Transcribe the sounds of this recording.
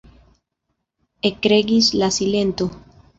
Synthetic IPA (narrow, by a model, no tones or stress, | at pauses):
ekːɾe̞ɡislasile̞nt̪o